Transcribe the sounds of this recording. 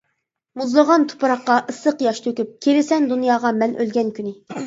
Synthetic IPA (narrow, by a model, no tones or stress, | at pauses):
muzlˠəʁɑnt̪ʰo̥pɨɾɑqːɑʔəsəqjɑʃt̪ʰøkʲyp̚kʲʰelɪsɛnd̪unjɑːʁɑmɛnʔø̰lɡʲɛnkʲʰynɪ